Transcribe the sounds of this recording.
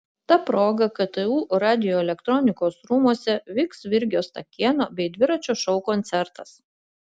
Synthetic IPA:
t̪ɑpɾoːɡɐkɐt̪ɨuːɾɑːd̪ʲɪjoːɛlʲɛkt̪ɾɔnʲɪkoːsɾuːmuɔsʲɛʋʲɪksʋʲɪɾʲɡʲoːst̪ɐkʲiɛnoːbʲɛɪd̪ʲʋʲɪɾɐt͡ʃʲoːʃɒʊkɔnt̪sʲɛɾt̪ɐs

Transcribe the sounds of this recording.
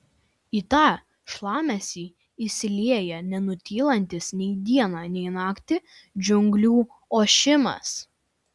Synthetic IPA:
iːt̪ɑː | ʃlˠɑːmʲɛsʲiː | isʲɪlʲiɛjɛnʲɛnʊt̪ʲiːlˠɐnʲt̪ʲɪsnʲɛɪd̪ʲiɛnɑːnʲɛɪnɑːkt̪ʲɪ | d͡ʒʲʊŋɡlʲuː | oːʃʲɪmɐ̰s

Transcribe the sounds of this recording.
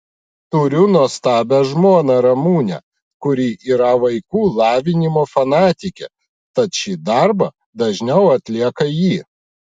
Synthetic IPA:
t̪ʊɾʲʊnɔst̪ɑːbʲɛʒmuɔnɐɾɐmuːnʲɛ̰ | kʊɾʲiːʔiːɾɐʋɐɪkuːlˠɑːʋʲɪnʲɪmoːfɐnɑːt̪ʲɪkʲɛ̰ | t̪ɐt̪ʃʲid̪ɐɾbɐ | d̪ɐʒʲnʲɛʊɐt̪ʲlʲiɛkɐjiː

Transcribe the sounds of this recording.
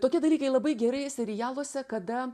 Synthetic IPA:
t̪oːkʲiɛd̪ɐlʲiːkɐɪlˠɐbɐɪɡʲɛɾɐɪsʲɛɾʲɪjæːlˠosʲɛkɐd̪ɐ

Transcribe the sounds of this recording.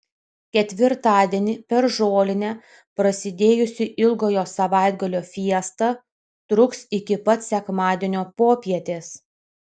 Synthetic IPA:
kʲɛt̪ʲʋʲɪɾt̪ɑːd̪ʲiɛnʲɪpʲɛɾʒoːlʲɪnʲɛ | pɾɐsʲɪd̪ʲeːjʊsʲɪʔɪlˠɡoːjoːsɐʋɑˑɪd̪ɡɐlʲoːfʲiɛst̪ɑ | t̪ɾʊksɪkʲɪpɐt̪sʲɛkmɑːd̪ʲeɛnʲoːpoːpʲiɛt̪ʲeːs

